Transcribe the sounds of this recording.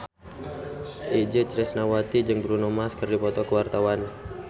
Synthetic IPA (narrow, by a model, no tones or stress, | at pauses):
ʔid͡ʒət͡ʃɾɛsnawat̪id͡ʒɨŋbɾunɔmaskərdipɔt̪ɔkəwart̪awan